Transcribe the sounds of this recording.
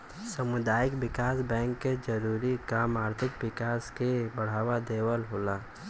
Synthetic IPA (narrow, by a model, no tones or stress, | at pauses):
səmʊd̪aːjɪkbɪkaːsbɛ̃ːŋkːed͡ʒəɾuːɾikaːmaːɾt̪ʰɪkwɪkaːskebəɽ̤aːwad̪eːwəlɦoːlaː